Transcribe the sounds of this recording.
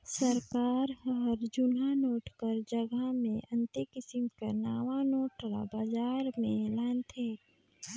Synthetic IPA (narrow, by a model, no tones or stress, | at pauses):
səɾkaːɾɔɾd͡ʒʊnɦanoːʈkəɾd͡ʒəɡəmẽʔə̃nt̪ekɪsɪmkenaːʋanoːʈɾa̰baːd͡ʒaːɾmẽlaːnt̪ʰeː